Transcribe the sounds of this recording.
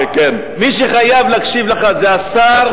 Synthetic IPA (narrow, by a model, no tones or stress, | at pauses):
ken | miʃ̬eχajavlakʃivleχazeasaʁ